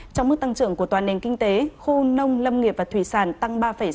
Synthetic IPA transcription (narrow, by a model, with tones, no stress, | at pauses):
t͡ɕɔ˧wŋ͡mmɨ˦˥k̚t̪a˧ŋt͡ɕɨ̰˧˨əŋku˧˩ət̪waː˨˩ne˨˩ŋkï˧ŋ̟t̪e˨˦xu˧nə˧wŋ͡mlə˧mŋi˨˩p̚vaː˨˩t̪ʰwi˧˩saː˧˩nt̪a˧ŋɓaː˧fə˧˩j